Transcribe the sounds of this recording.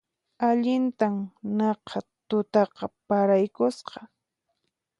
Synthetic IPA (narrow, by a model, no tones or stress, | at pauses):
aʎɪnt̪amnɑqʰɑt̪ʊt̪ɑqɑpaɾajkʊsqɑ